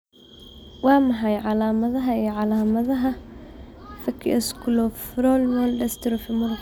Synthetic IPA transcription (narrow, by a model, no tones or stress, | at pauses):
wɑːmɐħɑjʕɑlaːmɐðɐɦɐijʕɑlaːmɐðɐɦɐ | fɐkʰːɪ̰ʔɛskʰʊlɔfɾɔlmɔldɛst̪ʰɪɾɔfɪmʊr